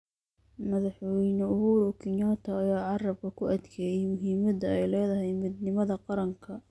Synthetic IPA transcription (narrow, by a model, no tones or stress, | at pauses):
mɐðɑħwɛjnɔʊɦuːɾɔkʰɪnjɔt̪ʰɔːjaːʕɑrɐb̚kʰɐkʰʊʔɐd̪kʰɛːjɛjmʊɦiːmɐd̪ɐɛjlɛːðɐɦɛjmɪd̪nɪmɐðɐqɑɾɐŋkʰɐ